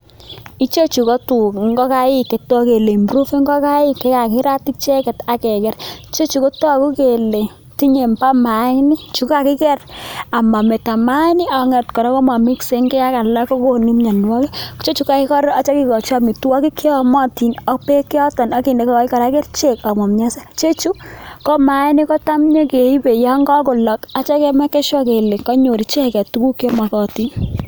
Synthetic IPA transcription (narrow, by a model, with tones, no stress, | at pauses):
i˦t͡ʃo˦t͡ʃu˨kɔ˦tu˨kŋɡɔ˦ka˦jɪ˦ke˨tɔ˦ke˨le˨mbɾu˦fi˦ŋɡɔ˦ka˦ɪ˦ke˦ka˨ki˦ɾa˦ti˦k̚t͡ʃɛ˦kɛ˨ta˨kɛ˨kɛ˦ri˦t͡ʃe˦t͡ʃu˨ko˦tɔ˦˨ku˦ke˨le˨ | ti˦ɲe˨mpa˦ma˨˦ŋni˦t͡ʃu˨kka˨kɪ˦kɛ˦ra˨ma˨me˨ta˨ma˦ni˦ɔ˨ŋɛ˨tkɔ˨ɾɔ˨˦kɔ˦ma˨mi˦kse˦ŋkɛ˦ka˦ka˨la˦ko˦ko˨ni˦mɲa˨nwɔ˦ke˦t͡ʃe˦t͡ʃu˨˦ka˦i˦kɔ˦ɾa˦t͡ʃe˦ki˦kɔ˨t͡ʃa˦˨mi˨twɔ˦ki˦kje˦ɔ˨mɔ˦ti˨nɔ˦pe˦ki˦ɔ˦tɔ˨nɔ˦ki˨nde˨kɔ˦kɔ˦i˦kɔ˨ɾa˦ke˦rt͡ʃe˦˨ka˨mɔ˨mɲa˦sɛ˦t͡ʃe˦t͡ʃu˦kɔ˦ma˨˦ni˦kɔ˦ta˦mɲɔ˦ke˨i˦be˨ja˦ŋɡɔ˦ko˨lɔ˨ka˦t͡ʃa˦kɛ˦mɛ˦kɛ˦ʃwɔ˦ke˨le˨ŋkɔ˦ɲo˨ɾi˨t͡ʃe˦˨kɛ˨tu˦ku˦kjɔ˦ma˨kɔ˨ti˦n